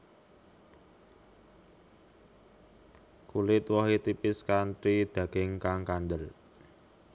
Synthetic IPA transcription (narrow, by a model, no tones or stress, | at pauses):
kulɪt̪wɔɦet̪ipɪskanʈɾid̪̥a̤ɡ̥ɪŋkaŋkanɖ̪əl